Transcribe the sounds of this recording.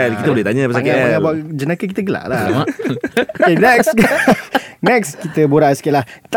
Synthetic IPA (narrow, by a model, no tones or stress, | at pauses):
kit̪əbolɛht̪aɲapasakaŋãbaʔd͡ʒənakək̬it̪əɡəla̰ʔla | okkenɛks | nɛkskit̪əboɾasə̥kialaht̪